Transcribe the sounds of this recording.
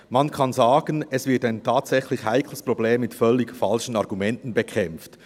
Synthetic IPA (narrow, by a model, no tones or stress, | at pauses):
mɑnkʰɑnzaːɡ̥ənɛsv̥ɪɐtaɪntʰaːtsɛxlɪçhaɪkʰləspʁobleːmːɪtfœlːɪkfɑlʃən̩ɑʁɡumɛntən̩bekʰɛmft